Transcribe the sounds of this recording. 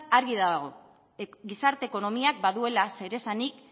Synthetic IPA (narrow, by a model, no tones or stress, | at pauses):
aɾɣiðaɣo̞ | ɡisaɾt̪e̞ːko̞no̞miak̚baðue̞lase̞ɾe̞sanik̚